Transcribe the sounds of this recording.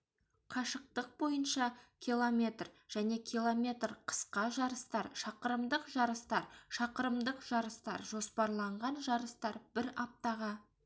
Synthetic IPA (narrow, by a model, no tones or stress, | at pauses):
qʰɑʃəq̚t̪əq̚bo̞jənʃɑkʲʰilˠomʲe̞t̪rʒ̥æne̞kʲʰilˠomʲe̞t̪rqʰə̥sqɑʒɑɾəst̪ɑɾʃɑqəɾəmd̪əqʒɑɾəst̪ɑɾʃɑqəɾəmd̪əqʒ̥ɑɾəst̪ɑ̰ɾʒo̞spɑɾlˠɑɴʁɑnʒɑɾəst̪ɑɾbɪɾɑp̚t̪ɑʁɑ